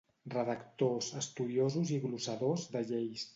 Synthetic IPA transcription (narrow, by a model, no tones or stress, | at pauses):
rəðəkt̪ozəst̪uðiozuziɣlusəðozd̪əʎejs